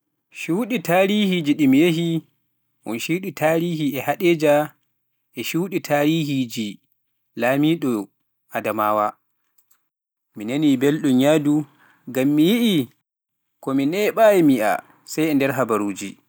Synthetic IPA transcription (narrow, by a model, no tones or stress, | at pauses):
ʃuɗitaɾiːhid͡ʒiɗimijeɦi | mɔ̰nʃuːɗitʰaːɾiːhiɛhaɗed͡ʒa | ʔɛʃuwɗitʰaːɾiːhid͡ʒi | laːmiːɗɔ | ʔadamaːwa | minenibelɗuɲadu | ɡamːijiʔi | kɔminɛɓajɛmia̰ | sajɛndɛɾɦabaɾuːd͡ʒi